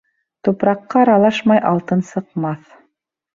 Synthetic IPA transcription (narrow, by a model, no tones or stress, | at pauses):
t̪upɾɑqːɑːɾɑlˠɑʃmɑjʔɑlˠt̪ɤnsɤ̆qmɑθ